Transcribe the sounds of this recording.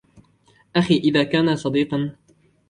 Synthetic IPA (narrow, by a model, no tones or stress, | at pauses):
ʔaxiːʔɪðaːkaːnasˤɑd̪iːqɑn